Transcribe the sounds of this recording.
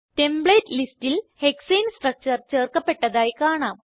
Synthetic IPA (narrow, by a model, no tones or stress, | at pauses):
tembɭeːtlistilhekseːnsʈrɐk̚t͡ɕɐrt͡ɕeːrkɐpːe̞ʈːɐðaːjkaːɳaːm